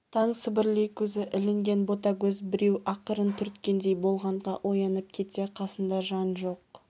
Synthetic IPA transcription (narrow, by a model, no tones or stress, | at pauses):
t̪ʰɑɴsɪbɪɾlejkʲʰɵzɪʔɪlɪŋɡʲe̞nbo̞t̪ɑkʲɵzbɪɾe̞wʔɑqəɾənt̪ʰʏɾt̪kʲe̞nd̪e̞jbo̞lˠʁɑɴʁɑʔo̞jɑnəp̚kʲʰe̞t̪e̞qʰɑsənd̪ɑʒɑnʒo̞q̚